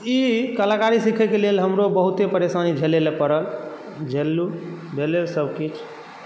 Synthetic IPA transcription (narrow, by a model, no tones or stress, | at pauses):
ikəlakaɾisikʰɛkelelɦəmɾobəɦut̪epəɾesanid͡ʒʱelelepəɾəl | d͡ʒʱelːubʱelelsəbkit͡ʃʰ